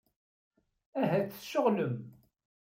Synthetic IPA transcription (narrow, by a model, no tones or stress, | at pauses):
æɦæt͡sːə̥ʃːoʁləm